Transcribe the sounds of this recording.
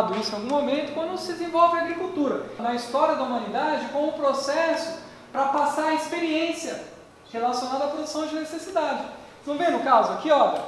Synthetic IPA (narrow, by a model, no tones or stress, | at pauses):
d̪ʊisʊ̃awɡũmomẽnt̪ʊkwɐ̃nd̪ʊsɪd̪ezẽvɔwvɪaɡɾikuwt̪uɾɐnɐist̪ɔɾiɐd̪ɐumɐ̃nid̪ad͡ʒɪkõm̃ʊ̃pɾosɛsʊ̥ | pɾɐpasaɾɐispeɾiẽsiɐ | helasionad̪ɐːpɾod̪usɐ̃w̃d͡ʒɪnesesid̪ad͡ʒɪ | t̪ɐ̃w̃vẽnd̪ʊkazʊakiɔ